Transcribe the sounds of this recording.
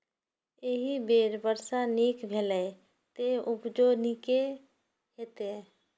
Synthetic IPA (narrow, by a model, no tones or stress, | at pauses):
eɦibeːɾbəɾsaniːkbʱeːlə | t̪eʊpd͡ʒoːnike | ɦet̪e